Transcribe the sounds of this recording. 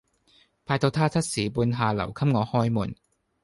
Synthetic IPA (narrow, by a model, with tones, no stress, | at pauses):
pʰaː˧jt̪o˧wt̪ʰaː˥t͡sʰɐ˥t̚siː˨˥puː˧nɦaː˨lɐ̰˨˩wkʰɐ˥m̚ŋɔː˨˧hɔː˥jmuː˨˩n